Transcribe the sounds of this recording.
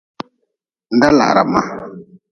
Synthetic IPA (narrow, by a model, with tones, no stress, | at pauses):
n˦da˦la̰˨ʔɾa̰˨ma˦